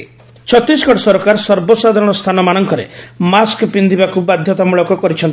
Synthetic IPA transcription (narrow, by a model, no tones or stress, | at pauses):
t͡ʃʰɔt̪ɾiskɔʈɔsɔɾɔkaɾsɔɾbɔsad̪ʱaɾɔɽ̃ɔst̪ʰanɔmaɽ̃ɔŋkɔɾḛmaskɔpind̪ʱibakubad̪ʱjɔt̪amuɭɔkɔkɔɾit͡ʃʰɔnt̪i̥